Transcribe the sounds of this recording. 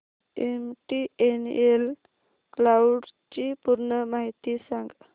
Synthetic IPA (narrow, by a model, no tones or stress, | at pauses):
emʈienel | klawɖt͡ɕipuɾɳəmaɦit̪isaŋɡ